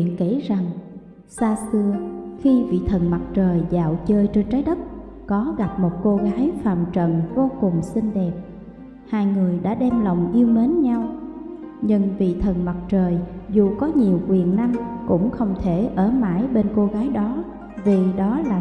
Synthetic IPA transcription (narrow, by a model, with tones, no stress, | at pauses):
i˧˨ənki˧˥za˨˩ŋ | saː˧sɨ˧əxi˧vḭ˧˨t̪ʰə˨˩nma˨˩t̚t͡ɕəː˨˩jza̰ː˧˨wt͡ɕəː˧jt͡ɕe˧nt͡ɕaː˨˦jɗə˦˥t̚ | kɔ˨˦ɣa˨˩p̚mo˨˩t̚ko˧ɣaː˨˦jfa̰ː˧˨mt͡ɕə̰˧˨nvo˧˦kʊ˨˩ŋ͡msï˧ŋɗɛ˨˩p̚ | haː˧jŋɨ˨˩əjɗa̰ː˧˥ɗɛ˧mlə˨˩wŋ͡mʔi˧əwme˨˦nɲa˧w | ɲɨ˧ŋvḭ˧˨t̪ʰə˨˩nma˨˩t̚t͡ɕəː˨˩jzu˨˩kɔ˨˦ɲi˨˩əwkwi˨˩ənna˧mkʊ̰˧˥ŋ͡mxə˧wŋ͡mt̪ʰe˧˩ʔəː˧˩ma̰ː˧˥˨jɓe˧nko˧ɣaː˨˦jɗɔ˨˦ | vi˨˩ɗɔ˨˦laː˨˩